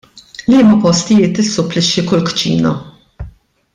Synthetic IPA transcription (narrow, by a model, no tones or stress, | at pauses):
liːmɐpɔst̪ɪjɪːt̪ɪsːʊpːlɪʃːikʊlkt͡ʃḭːnɐ̰